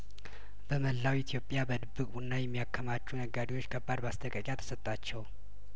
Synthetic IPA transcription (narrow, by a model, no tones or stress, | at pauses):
bəməlːawit̪ʰjo̞pʼːjabəd̪ɨbːɨkʼunːajɛmːijakʰːəmat͡ʃːunəɡːad̪iwo̞t͡ʃːkʰəbːad̪bast̪ʰʼəkʼəkʼjat̪ʰə̥sət̪ʼːat͡ʃːɛw